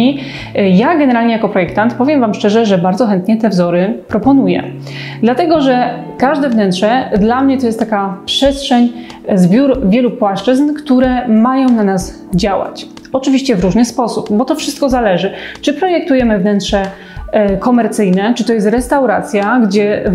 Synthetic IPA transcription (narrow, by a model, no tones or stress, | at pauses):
i | jaɡɛnɛɾalɲɛjakɔpɾɔjɛk̚t̪ant̪pɔvjɛmvamʂt͡ʂɛʐɛʐɛbaɾd̪zɔxɛnt̪ɲɛt̪ɛvzɔɾɘpɾɔpɔnujɛ̰ | d̪lat̪ɛɡɔʐɛ | kaʐd̪ɛvnɛnt̪ʂɛd̪lamɲɛt̪ɔjɛst̪t̪ːakapʂɛst̪ʂɛɲ | zbʲjuɾvʲjɛlupwaʂt͡ʂɘznkt̪uɾɛmajɔ̃w̃nanaz | d͡ʑawa̰t͡ɕ | ɔt͡ʂɘvʲiɕt͡ɕɛvɾuʐnɘspɔsupbɔt̪ɔfʂɘst̪̚kɔzalɛʐɘt͡ʂɘpɾɔjɛk̚t̪ujɛmɘvnɛnt̪ʂɛ | kɔmɛɾt̪sɘjnɛt͡ʂɘt̪ɔjɛst̪ɾɛst̪awɾa̰t̪sʲjaɡd͡ʑɛ